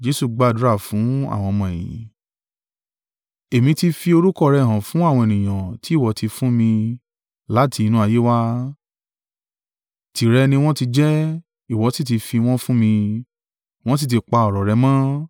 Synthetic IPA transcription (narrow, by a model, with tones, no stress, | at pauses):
d͡ʒe˧˦su˦˨ɡ͡ba˦˨du˨˦ɾa˦˨fũ˨˦a̰˦˨w̃ɔ̃˧mɔ̃˨e˨j̃ḭ̃˨ | e˨mĩ˧ti˧fi˧o˧ɾu˦kɔ˦˨ɾɛ˧˨ɦã˨fũ˨˦a˦˨w̃ɔ̃˧e˨nĩ˨j̃ã˨ti˨˦i˦˨wɔ˨˦ti˧fũ˦mĩ˧ | la˨˦tʰi˧nũ˦a˧˨je˦wa˦ | ti˨ɾɛ˧nĩ˧w̃ɔ̃˦ti˧d͡ʒɛ˦ | i˦˨wɔ˨˧˦ti˦˨t̬i˧fi˧w̃ɔ̃˦fũ˦mĩ˧ | w̃ɔ̃˦s̬i˦˨t̬i˧k͡pa˧ɔ˨ɾɔ˨ɾɛ˧mãː˦